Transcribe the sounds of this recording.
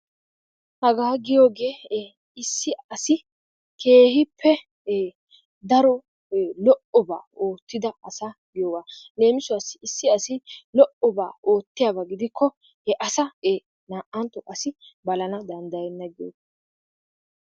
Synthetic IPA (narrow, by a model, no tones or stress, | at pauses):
hɐɡaːɡɪjo̞ːɡeː | ɪsːɪɐsɪ | ke̞ːhɪpʰːɛ | d̪ɐɾɔ | lɔʔɔba̰ːo̞ːt̪ːɪd̪ɐɐsaɡɪjoːɡaːle̞ːmɪsʊɐsɪɪsːɪɐsɪlɔʔɔba̰ːo̞ːt̪ːɪjaːbɐɡɪd̪ɪkʰːɔ | ɛʔɐsɐe | naːʔɐnt̪ɔʔɐsɪbɐlɐnɐd̪ɐnd̪ɐjɛnːɐɡɪjo̰ɡ